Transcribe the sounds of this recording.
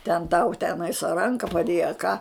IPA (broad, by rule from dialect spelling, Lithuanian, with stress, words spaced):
tʲɛn tɐʊ ˈtʲæːnɐɪs ɐ ˈrɐŋkɐ pɐˈdʲeːjɛ ɐ kɑː